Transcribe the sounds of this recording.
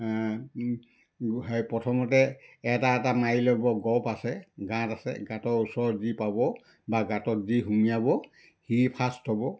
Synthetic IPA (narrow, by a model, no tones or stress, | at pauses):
ɦjpɹɔtʰɔmɔt̬ɛɛtaɛtamajilɔbɔɡɔpasɛɡãtasɛ̰ɡãtɔɹusɔɹzipabɔ | baɡãtɔtziɦumijabɔ | hipʰastʰɔbɔ